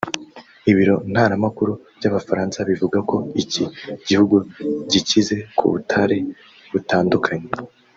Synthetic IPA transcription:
iβiɾo̞n̥haːɾamakuɾuv̥ɟaβafaɾaːnsaβivuɡako̞iciɟihuɡuɟicize̞kʰṵβṵtʰaɾe̞ | βutaːndukʰaɲe

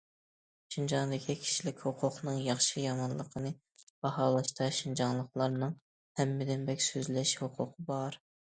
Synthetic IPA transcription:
ʃind͡ʒɑŋd̪ɪkʲʰikʲʰi̥ʃilɪkʲhoqʰʊqnɨŋjɑχʃɨjɑmɑnlˠəqʰənɨ | b̥ɑhɑːlˠɑʃt̪ɑʃind͡ʒɑŋlˠəqlˠɑɾnɨŋ | hɛmːɪd̪ɪnbɛkʲsøzlɛʃhoqʰʊqʰəbɑɾ

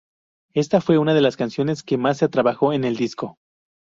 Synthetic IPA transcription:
e̞st̪afwe̞unað̞e̞laskansjo̞ne̞ske̞masːet̪ɾaβaxo̞e̞ne̞ld̪isko̞

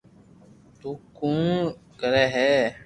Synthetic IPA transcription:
t̪uːkũːkəɾɛːɦɛː

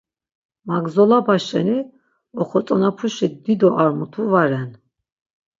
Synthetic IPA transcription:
maɡzɔlabaʃɛ̰ni | ɔχɔt͡s̪ʼɔnapʰuʃitd̪id̪ɔʔaɾmut̪ʰuvaɾɛn

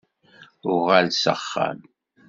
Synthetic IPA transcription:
ʊʁalsə̰χːa̰m

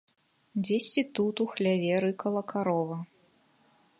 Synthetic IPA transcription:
d͡zʲesʲt͡sʲit̪ut̪uxlʲavʲɛɾɨkɐlˠɐkʰaɾɔvɐ

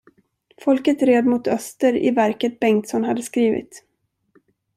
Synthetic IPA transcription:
fɔlkət̪ɾeːd̪mʊt̪œst̪əɾɪ̰væɾkət̪̚bɛŋt̪sɔnhad̪ːəskɾiːvɪ̰t̪

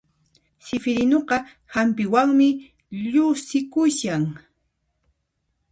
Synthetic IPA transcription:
sɪfɪɾɪnoqɑ | hampɪwaŋmɪ | ʎʊsɪkʊʃaŋ

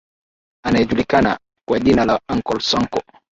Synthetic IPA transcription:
anaɛʄulikana̰ | kwaʄinalaaŋkɔlsaŋkɔ

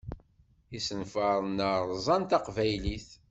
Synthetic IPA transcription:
isənfəɾˤnəɾzˤɑnt̪ɑqvæjliθ

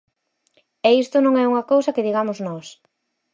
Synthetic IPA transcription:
ɛist̪ʊnõŋɛuŋɐkowsɐkeðiɣamʊznɔs

